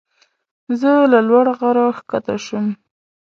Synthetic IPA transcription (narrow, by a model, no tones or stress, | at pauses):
zəlalwaɽaɣaɾɑxkat̪aʃum